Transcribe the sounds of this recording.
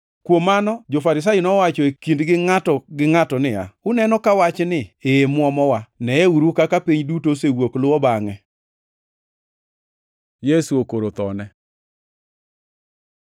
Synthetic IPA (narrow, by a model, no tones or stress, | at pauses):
kwomːanɔd͡ʒofaɾɪs̬ajonɔwat͡ʃɔekindɡɪŋatɔɡɪŋatɔnɪa̰ʊnɛnɔkawat͡ʃnɪemwɔmɔwanɛeuɾukakapiɲdutosewoklʊwɔbaŋɛ | jesuokoɾot̪ɔnɛ